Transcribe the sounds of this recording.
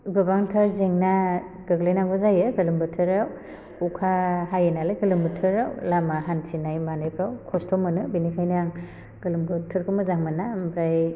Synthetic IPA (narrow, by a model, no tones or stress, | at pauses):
ɡɯbaŋtʰaɾzeŋna | ɡ̥ɯɡlajnaŋɡɔzajɯɡɯlɯmbɯtʰɯɾaw | kukʰahajenalajɡɯlɯmbɯtʰɯɾawlamaɦansinajmanɯjkʰawkʰɔstʰɔmɯnɯbinikʰajnaŋ | ɡ̥ɯlɯmbɯtʰɯɾkʰɯmɯzaŋmanːambɾaj